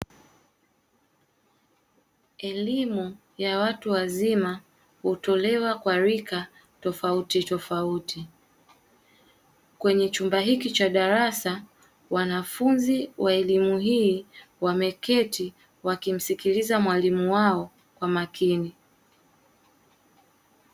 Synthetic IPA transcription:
ɛlimu | jawatuwazima | hutɔlɛwakwaɾika | tɔfautitɔfauti | kwɛɲɛt͡ʃumbaɦikit͡ʃaɗaɾasa | wanafunziwʔaɛlimuɦiːwamɛkɛti | wakim̩sikilizamwalimuwaɔ | kwamakʰini

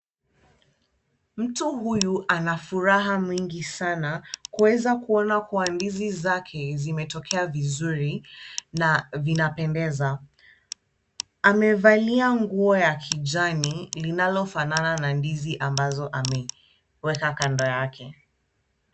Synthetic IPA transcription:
m̩tuhujuʔanafuɾaɦamwiŋɡisanakuwɛzakuɔnakuwandizizakʰɛzimɛtɔkʰɛavizuɾinavinapɛndɛza | mɛvaliaŋɡuɔjakʰid͡ʒanilinalɔfanananandiziʔambazɔʔamɛ | wɛkakandɔjakʰɛ

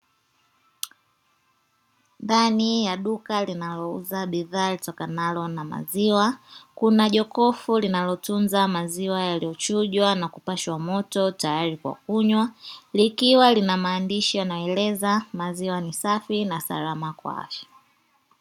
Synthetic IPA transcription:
ndanijaɗukalinalɔuzaɓiðaːlitɔkanalɔnama̰ziwakunaʄɔkɔfulinalɔtunzamaziwajalijɔt͡ʃuʄwanakupaʃwamɔtɔtajaɾikwa̰kuɲwalikiwalinamaːndiʃijanajɔɛlɛzamaziwanisafinasa̰ɾamakwa̰a̰fjḁ

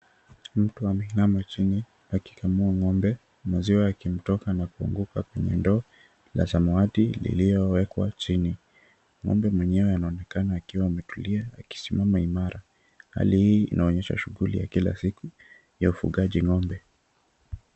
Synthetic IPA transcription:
m̩tuamɛinamat͡ʃini | aki̥kamuaŋɔmbɛ | maziwaːkim̩tɔkanakuṵŋɡukakwɛɲɛ̰ndɔː | la̰zamaatilḭlijɔwɛkwa̰t͡ʃini | ŋɔ̰mbɛmwɛɲɛwɛanaɔnɛkanaːkiwaːmɛtuliaaki̥simamaimaɾa | ha̰lihiːḭnʔaɔɲɛʃa̰ʃuɣulḭja̰kila̰siku | jaufṵɠaʄiŋɔmbɛ

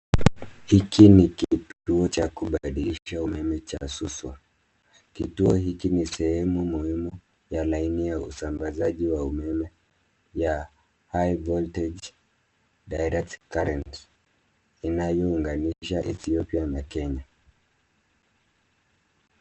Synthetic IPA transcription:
hikinikituɔt͡ʃakuɓaɗiliʃaumɛmɛt͡ʃaːsuswa | kituɔhikinisɛhɛmumuhimu | jalainijaṵsambazaʄiwaumɛmɛ | ja | hajvɔltɛd͡ʒ | dajɾɛk̚tkaɾɛnts | inajɔuŋɡaniʃaʔɛθiɔpianakɛɲa

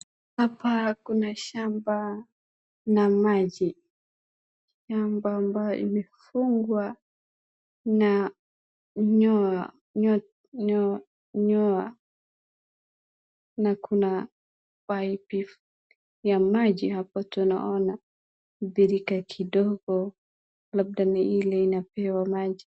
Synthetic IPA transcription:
hapakunaʃamba | namad͡ʒi | ʃambaːmbajɔ̰ḭmɛfuŋɡwa | na | ɲɔ | ɲɔ | ɲ | ɲɔa | nakuna | wajpif | jamad͡ʒiɦapɔtɔna̰ʔɔna | bɛɾikakʰidɔɡɔ | lab̚danaʔilɛinapɛwamad͡ʒi

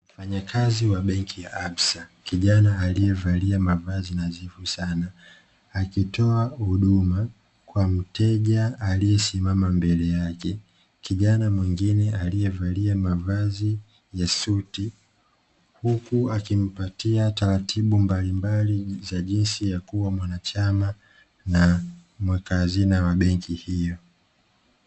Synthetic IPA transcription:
m̩faɲakʰaziwaɓɛŋkʰijaʔaɓsakiʄanaːlijɛvaliamavazinazifusanaː | kitɔahuɗuma | kwam̩tɛʄaːlijɛsimamambɛlɛjakɛ | kiʄanamwiŋɡinɛalijɛvaliamavazi | jasuti | hukuakim̩patiataɾatʰiɓumbalimbalizaʄinsijakuwamwanat͡ʃama | namwɛkazinawaɓɛŋkʰihijɔ

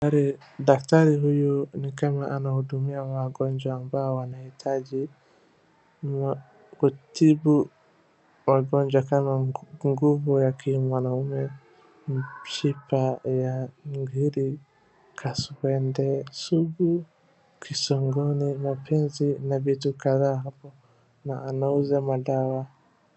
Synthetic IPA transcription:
aɾi | dak̚taɾiɦujunikamaʔanahuɗumiawaɡɔɲd͡ʒwaːmbaɔwanahitʰaʄi | kutibu | waɡɔɲd͡ʒwakamaŋɡuvɔjakimwanaumɛ | ʃipajaŋɡiɾi | kʰasuwɛndɛsuɡu | kʰisɔŋɡɔnimapʰɛnzinavitukaðaːɦapɔ | naːnauzamaɗawa

